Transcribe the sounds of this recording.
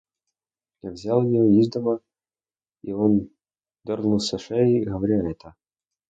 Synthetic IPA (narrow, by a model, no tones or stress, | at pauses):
javzʲalˠjɪoizd̪əmə | ion | d̪ɐrnusɐʂɛɪɣəvɐɾʲaɛt̪ə